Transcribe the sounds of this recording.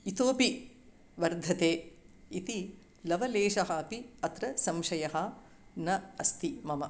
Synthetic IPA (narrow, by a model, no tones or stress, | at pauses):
it̪oːpi | ʋɐɾd̪ʱɐt̪eː | it̪i | lɐʋɐleːʃɐɦɐpiɐt̪ɾɐsɐmʃɐjɐɦɐ | nɐɐst̪imɐmɐ